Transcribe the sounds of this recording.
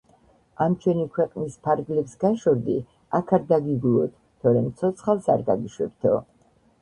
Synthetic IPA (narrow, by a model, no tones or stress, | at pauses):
amt͡ʃʰwɛnikʰwɛqʼnispʰaɾɡlɛpsɡaʃɔɾd̪i | akʰaɾd̪aɡiɡlˠɔt̪ʰ | t̪ʰɔɾɛmt̪sʰɔt̪sʰχalˠsaɾɡaɡiʃwɛ̰b̚t̪ʰɔ